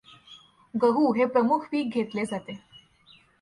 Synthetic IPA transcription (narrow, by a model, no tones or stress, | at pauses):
ɡəɦuːɦepɾəmukʰʋiːk̚ɡʱet̪led͡zat̪e